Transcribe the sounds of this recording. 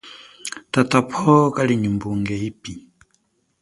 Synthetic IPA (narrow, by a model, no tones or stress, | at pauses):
tatapʰɔkaliɲimbuŋɡɛipi